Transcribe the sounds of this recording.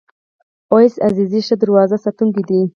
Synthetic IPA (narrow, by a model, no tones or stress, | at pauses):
ojsaziziʃəd̪əɾwɑːzasat̪uŋkid̪i